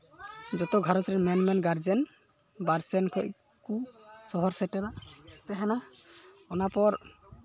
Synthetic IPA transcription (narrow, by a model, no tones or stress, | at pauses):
d͡ʒɔt̪ɔɡʱaɾɔt͡ʃɾɛmɛnmɛnɡaɾd͡ʒɛn | baɾsɛnkʰɔʔ | kusɔɦɔɾsɛʈɛɾat̪ɛɦɛna | ɔnapɔɾ